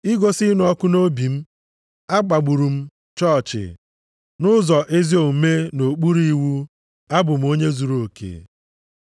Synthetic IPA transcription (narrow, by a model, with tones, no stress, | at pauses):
i˦ɡo˦sɪ˦nʊ˨ɔ˦kʊ˦no˦bi˨m̩˦ | a˦k͡pa˨ɡ͡bu˨ɾu˨m̩˦ | t͡ʃɔ˦˨t͡ʃɪ̰˨ | nʊ˦zɔ˨ʔe˦zi˦o˨m̩˨me˦no˨k͡pu˦ɾi˦i˦wu˦ | a˦bʊ˨m̩˦o˦ɲe˦zu˨ɾo˨kḛ˨